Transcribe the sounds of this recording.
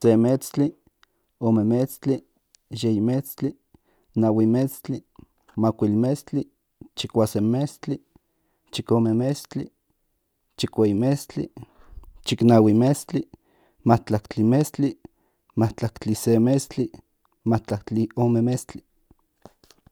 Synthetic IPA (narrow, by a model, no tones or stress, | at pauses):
semet͡st͡ɬi | omemet͡st͡ɬi | jeimet͡st͡ɬi | nawimet͡st͡ɬi | makʷilmest͡ɬi | t͡ʃikʷasemest͡ɬi | t͡ʃikomemest͡ɬi | t͡ʃikʷeimest͡ɬḭ | t͡ʃiknawimest͡ɬi | maht͡ɬakt͡ɬimest͡ɬi | maht͡ɬakt͡ɬisemest͡ɬi | mat͡ɬakt͡ɬiomemest͡ɬi̥